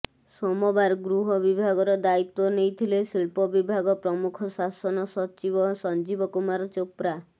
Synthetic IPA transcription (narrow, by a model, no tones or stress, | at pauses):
sɔmɔbaɾɡɾuɦɔbibʱaɡɔɾɔd̪ait̪wɔnejt̪ʰilesiɭpɔbibʱaɡɔpɾɔmukʰɔsasɔnɔsɔt͡ʃibɔsɔnd͡ʒibɔkumaɾɔt͡ʃopɾa